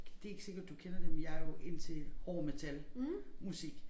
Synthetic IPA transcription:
d̥e̝e̝ɡ̥se̝ɡ̥ɐd̥ːukʰenɐd̥emenjɑ̈ɪɐjo̝ʔe̝n̰t͡sʰe̝lhɒːmet͡sʰælmusiɡ̥

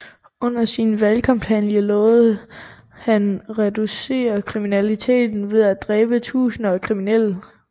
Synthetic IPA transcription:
ɔ̽n̰ɐsinʋælkʰɑ̈mphænjəlɔːð̩ˠ | hænʁɛd̥use̝̰ːɐkʰʁiminælit͡sʰe̝̰ːd̥n̩ʋe̝ðˠæd̥ʁɛːb̥ət͡sʰṵːsn̩ɒkʰʁiminel̰ə

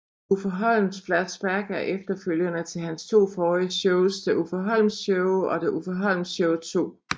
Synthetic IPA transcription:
ufɒɦɒ̽l̰n̩sflæ̥sb̥æɡ̥æɐʔefd̥ɐføl̰jənət͡sʰe̝lɦænst͡sʰo̝̰ːfɒːiɕɔʊsd̥eʔufɒɦɒ̽l̰m̩ɕɔʊɒ̽d̥eʔufɒɦɒ̽l̰m̩ɕɔʊt͡sʰo̝̰ː

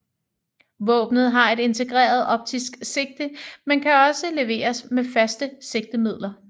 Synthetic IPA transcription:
ʋɔ̰̽ːb̥nð̞̩ˠɦɑ̈e̝ɾe̝nt͡sʰe̝ɡ̥ʁɛ̰ːɐð̞ˠɒ̽b̥̚t͡sʰisɡ̥se̝ɡ̥̚d̥əmenkʰæɒ̽səle̝ʋe̝̰ːɐsmefæsd̥əse̝ɡ̥̚d̥əmið̰ˠlɐ

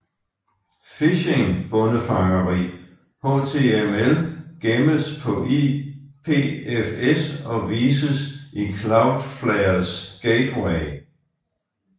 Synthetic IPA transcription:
fiɕeŋb̥ɔ̽nəfɑ̈ŋɐʁḭː | ho̰ːt͡sʰe̝emelɡ̥eməspʰɒ̽ʔipʰe̝̰ːefesɒ̽ʋiːsəsikʰlɑ̈ʊd̥flɛɪɐsɡ̥eɪd̥weɪ

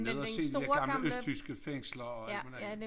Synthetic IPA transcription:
neð̞ˠɒse̝̰ːdi̥æɐɡ̥ɑ̈mləøsdʰysɡ̥əfeŋ̰slɐɒmænæ

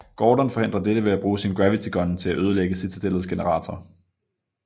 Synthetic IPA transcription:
ɡ̥ɒːd̥ænfɒ̽ɦe̝n̰d̥ʁɐd̥eɾ̥əʋe̝æb̥ʁuːsinɡ̥ʁæʋit͡sʰiɡ̥ʰɒ̽nt͡sʰe̝læʔøːð̞ˠəleɡ̥əsit͡sʰæd̥elð̩ˠsɡ̥e̝nəʁɑ̰̈ːt͡sʰɒː

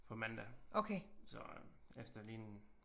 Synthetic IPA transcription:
pʰɒ̽mænd̥æʔokʰeːsɒefd̥ɐliːnn̩

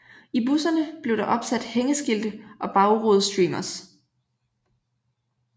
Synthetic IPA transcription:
ibusɐnəb̥le̝ʊɾɑ̈ʔɒ̽b̥sæd̥heŋəsɡ̥ild̥əʔɒ̽b̥ɑ̈ʊʁoːðˠsd̥ʁḭːmɐs

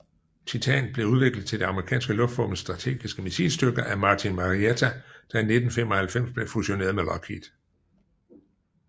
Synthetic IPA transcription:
t͡sʰit͡sʰɛ̰nb̥le̝uðˠʋe̝ɡ̥lð̩ˠt͡sʰe̝ld̥e̝ɑ̈məʁikʰɛ̰ːnsɡ̥əlɔ̽fd̥ʁɔmən̩sd̥ʁɑ̈t͡sʰe̝̰ːɡ̥isɡ̥əmisḭːlsd̥øɡ̥ɐʔæmɑ̈t͡sʰinmɑ̈ʁiet͡sʰæd̥ɑ̈ine̝d̥n̩femɒ̽hælfem̰sb̥le̝fuɕo̝ne̝̰ɐðˠmelɒkʰḭd̥

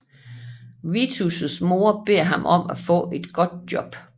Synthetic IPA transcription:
ʋit͡sʰusəsmo̝ɐb̥e̝ɐ̰ɦɑ̈mʔɒ̽m̰ʔæfɔ̰̽ːe̝d̥ɡ̥ɒ̽d̥̚d̥jɒ̽b̥

